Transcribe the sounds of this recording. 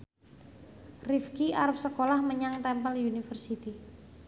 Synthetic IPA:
rifkiaɾap̚səkolahməɲaŋt̪ɛmpəliunifərsit̪i

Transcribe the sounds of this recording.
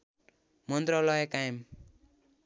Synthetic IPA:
mʌnd̪ɾʌlʌekajem

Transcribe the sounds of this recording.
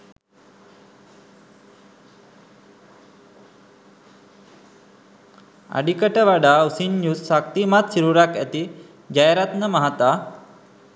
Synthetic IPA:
a̰ɖikəʈəʋaɖausinːjussak̚t̪imat̪siɾuɾakæt̪i | d͡ʒajɾat̪nəmaɦat̪a

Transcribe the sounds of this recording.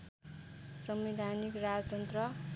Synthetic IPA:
sʌmid̪ʱanikrad͡zʌd͡zʌnt̪rʌ

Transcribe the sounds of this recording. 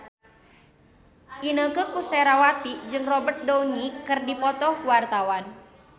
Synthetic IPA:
ʔinəkəkusɛɾawat̪id͡ʒɨŋrɔbərt̪̚dɔwnikɨrdipɔt̪ɔhwart̪awan

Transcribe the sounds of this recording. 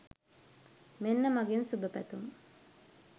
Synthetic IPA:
menːɐmɐɡensubɐpɐt̪um

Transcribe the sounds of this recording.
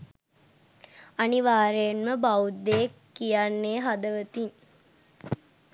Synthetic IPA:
aniʋaːɾeenməbaud̪ːekːijanːeːɦad̪əʋət̪iŋ

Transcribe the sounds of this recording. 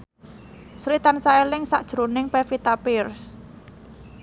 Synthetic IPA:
sɾit̪ansaelɪŋsaʔd̥ʒ̥ɾonɪŋpefit̪apɪrs

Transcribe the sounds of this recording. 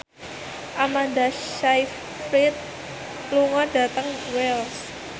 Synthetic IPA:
ʔamand̪aʃajf | fɾit̪̚ | luŋɔɖ̥a̤t̪əŋwɛls

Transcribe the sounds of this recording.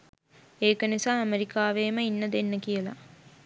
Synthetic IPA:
eːkənisaːæmeɾikaːʋeːməinːəd̪enːəkijəla̰

